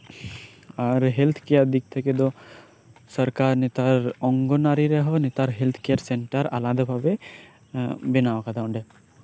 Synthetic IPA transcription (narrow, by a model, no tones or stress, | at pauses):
aɾɦelt̪ʰkijad̪ɪk̚t̪ʰeked̪o | sɐɾkaːɾnɪt̪aɾɔ̃ŋɡonaːɾiɾɛɦonɪt̪aɾɦelt̪ʰkejəɾsẽɳʈəɾa̰laːd̪abʱabe | bɪnakad̪aʊ̃ɳɖe